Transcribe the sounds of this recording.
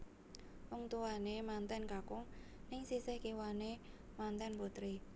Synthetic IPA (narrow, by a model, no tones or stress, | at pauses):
pʊŋt̪uwanemant̪ɛnkakʊŋnɪŋsisɪhkiwane | mant̪ɛnput̪ɾi